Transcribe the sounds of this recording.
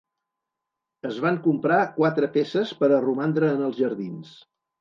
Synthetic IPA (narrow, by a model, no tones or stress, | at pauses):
əzβ̞aŋkumpɾakwat̪ɾəpesəspəɾərumand̪ɾəːnəlˠzʒəɾðins